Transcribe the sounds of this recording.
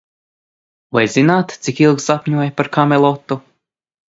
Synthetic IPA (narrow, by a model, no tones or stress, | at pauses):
vajzinaːt̪t̪sikilˠksapʲɲuɔjpaɾkamɛlˠɔt̪ːu